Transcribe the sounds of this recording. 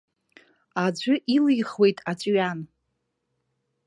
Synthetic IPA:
ad͡ʒʷʊʔilɨjχwe̞jtʼat͡ɕʷʼɥan

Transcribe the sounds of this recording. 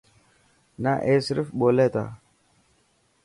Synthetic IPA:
naʔesɾifɓolɛt̪a̰

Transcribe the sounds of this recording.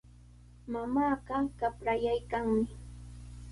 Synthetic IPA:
mamaːɢɑkapɾajajkaŋmɪ

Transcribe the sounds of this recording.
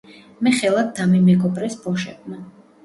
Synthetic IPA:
mɛχɛlˠad̪d̪amimɛɡɔbɾɛsbɔʃɛbma

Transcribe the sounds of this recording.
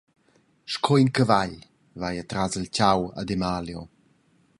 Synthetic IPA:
ʃkʰɔinkəvaʎ | vajat̪ɾazəlcawa̰demaːljo

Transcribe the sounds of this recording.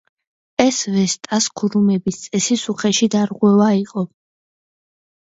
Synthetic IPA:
ɛsvɛst̪ʼaskʰuɾumɛbist̪sʼɛsisuχɛʃid̪aɾʁwɛvaiqʼɔ

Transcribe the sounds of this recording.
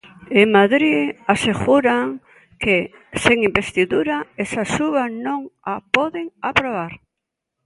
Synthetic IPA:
emaðɾiaseɣuɾaŋ | ke | seŋimbest̪iðuɾaesasuβanõŋapɔðeŋapɾoβaɾ

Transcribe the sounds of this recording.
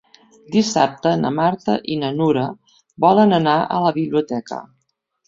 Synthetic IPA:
d̪isa̰p̚t̪ənə̰maɾt̪əʔinənuɾə | bɔlənənaə̰ləβiβliut̪ɛkə̰

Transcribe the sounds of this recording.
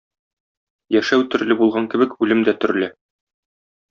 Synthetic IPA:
jæʃæwt̪ɵ̆ɾlɘbulˠʁɑŋkɘ̆bɘ̆kʉlɘmd̪æt̪ɵ̆ɾlɘ

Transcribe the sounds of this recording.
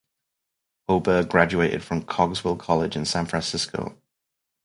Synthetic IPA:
oʊbəɡɹad͡ʒueɪtɪ̰d̥fɹə̃mkʰɒɡzwɪlˠkʰɒlɪd͡ʒɪ̃nsãnfɹæ̃nsɪskʰo̰ʊ

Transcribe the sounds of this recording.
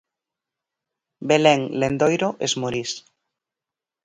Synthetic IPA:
belɛŋlend̪ojɾoʔezmoɾis

